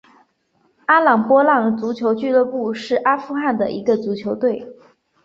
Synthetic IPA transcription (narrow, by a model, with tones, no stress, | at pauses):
a˥lɑ˨˩ŋpwɔ˥lɑ˥˩ŋt͡su˧˥t͡ɕʰjo˧˥ʊt͡ɕy˥˧lɤ˥˧pu˥˧ʂɻ̩˥˩ʔa˥fu˥˧xa˥˩nd̪ə˩ʔi˧˥ɡə˧t͡su˧˥t͡ɕʰjo˧˥ʊt̪we˥˩ɪ